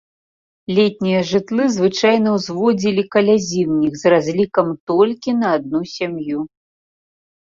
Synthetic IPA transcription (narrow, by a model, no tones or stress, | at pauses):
lʲɛt̪ʲnʲijɐʐɨt̪lˠɨzvɨt͡ʂajnɐwzvɔd͡zʲilʲikɐlʲazʲiwnʲixzrazʲlʲikɐmt̪ɔlʲkʲinɐːd̪̚nusʲamju